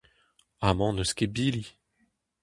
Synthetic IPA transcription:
amɑ̃nəskebili

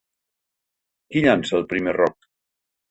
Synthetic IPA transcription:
kiʎansəːlˠpɾimerɔk̚

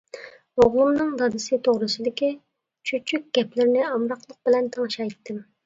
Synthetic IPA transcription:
oʁlˠumnɨŋd̪ɑd̪ɨsɨt̪ʰoʁɾɨsɨd̪ɪkʲi | t͡ʃʰyt͡ʃʰykʲɡ̥ʲɛplɪɾɪnɪɑmɾɑqlˠəq̚b̥ɪlɛnt̪ʰɑŋʃɑjt̪ʰːɪm

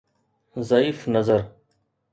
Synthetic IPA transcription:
zɐiːfnəzəɾ

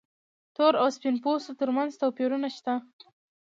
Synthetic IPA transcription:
t̪oɾawspinposot̪əɾmanzt̪awpiɾunaʃt̪a

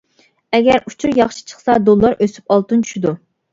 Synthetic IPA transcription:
ɛɡʲɛɾut͡ʃʰuɾjɑχʃi̥t͡ʃʰə̥χsɑd̪olˠːɑɾʔøsy̥pɑlˠt̪unt͡ʃʰy̥ʃid̪u

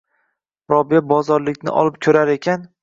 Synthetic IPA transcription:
ɾɒbijabɒzɒɾlɪkʲnɪ̰ʔɒ̰lɪp̚kʲʰɵɾaɾe̞kʲʰan

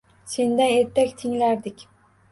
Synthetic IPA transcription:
se̞nd̪aneɾt̪ʰːakʲt̪ʰɪŋlæɾd̪ɪkʲ

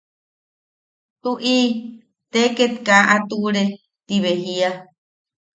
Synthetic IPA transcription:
uʔi | t̪eket̪kaʔat̪uɾe | t̪iβeɦia

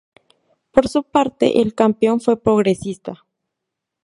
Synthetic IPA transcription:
poɾsupaɾt̪ḛʔelkampeo̞nfwepɾoɣɾesist̪a

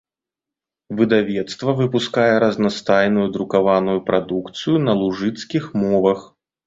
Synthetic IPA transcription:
vɨd̪avʲɛt̪st̪vɐvɨpuskajɛɾɐznast̪ajnujud̪ɾukavanujupɾʔad̪ukt̪sɨjunɐlˠuʐɨt̪skʲixmɔvɐx

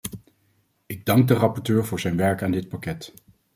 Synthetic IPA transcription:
ɪɡ̚dɑŋɡ̚dərɑpɔɹtøːɹvʊːɹzɛjnʋɛɹkaːndɪt̚pakɛt

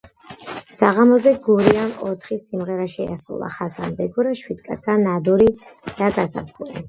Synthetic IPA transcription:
saʁamɔzɛɡuɾiamɔt̪ʰχisimʁɛɾaʃia̰sṵlˠa̰χasambɛɡuɾaʃwid̪̥kʼat̪sʰanad̪uɾid̪̥aɡasa̰p̚ʰkʰuli

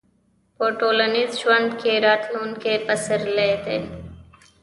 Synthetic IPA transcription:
poːʈoːlənizʃwɐnd̪keɾaːt̪ʰloːnkepəsəɾleːt̪ḛ

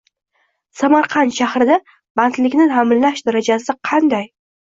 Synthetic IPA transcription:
samaɾqʰɑnʃahɾɪd̪a | b̥ant̪lɪkʲnɪamɪllaʃd̪aɾad͡ʒasɪqʰɑnd̪aj

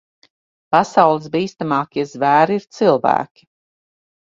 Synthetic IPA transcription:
pasawlˠɨs̬biːst̪amaːkʲiɛzvæːɾiɾt̪silˠvæ̰ːkʲi̥

